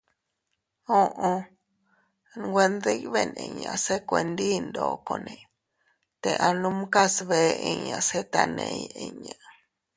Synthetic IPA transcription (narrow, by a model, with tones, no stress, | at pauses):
õ˦˧ʔõ˧ | ɡʷe˧nd̪e˦˧˦βe˦nḛ̃˧˨ɲã̰˧˨se˦kʷe˧nd̪i˦nd̪oː˧˨ko˧nẽ˧˨ | t̪e˧ʔa˧nũ˦m˦ka˦sβe˧ĩ˧ɲã˧se˦t̪a˧nḛ̃˧ji˧ɲã˨